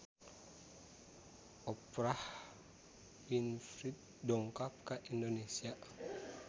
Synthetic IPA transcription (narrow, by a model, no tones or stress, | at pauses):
ʔɔpɾah | winfɾit̪̚dɔŋkap̚kaʔindonesia